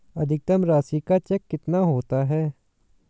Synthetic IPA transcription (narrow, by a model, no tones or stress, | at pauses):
ɐd̪ʱɪk̚t̪ɐmɾaːsikat͡ʃɛkːɪt̪naɦoːt̪aɦɛː